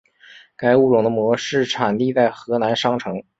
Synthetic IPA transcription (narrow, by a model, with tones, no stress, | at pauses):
ka˥ɪu˥˩ʈ͡ʂʊ˨˩ŋd̪ə˦mwɔ˧˥ʂɻ̩˥˩ʈ͡ʂʰa˨˩nt̪i˥˧t͡sa˥˩ɪxɤ˧˥na˧˥nʂɑ˥ŋʈ͡ʂʰɤ˧˥ŋ